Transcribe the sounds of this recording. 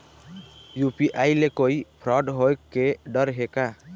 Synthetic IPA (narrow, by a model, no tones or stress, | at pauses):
jupiʔajlekoipʰɾʌɖɦoekːeɖʌɾɦeka